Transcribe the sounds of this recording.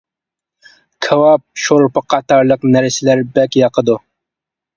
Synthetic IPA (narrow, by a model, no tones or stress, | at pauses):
kʰɛwɑp̚ʃoɾpəqʰɑt̪ʰɑɾlˠəqnæɾsɪlæɾbɛkʲjɑqʰəd̪u